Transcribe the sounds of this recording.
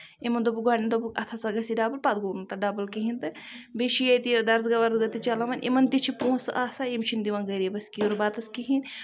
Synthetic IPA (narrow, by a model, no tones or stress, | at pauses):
emɐnd̪obuɡaːɽʲind̪obukɐ̰t̪ʰasɐɡɐsiɖaːbɐlpat̪̚ɡonut̪ɐɖaːbɐlkiɦint̪ɨ | beʃijɐt̪id̪ɐɾzɡɐʋɐɾd̪ɡɐt̪it͡ʃɐlɐʋɐnʲʔḭmɐnt̪it͡ʃʰipũːsʔaːsaimt͡ʃʰind̪iʋɐnɡɐɾibɐskioɾbaːt̪ɐskiɦin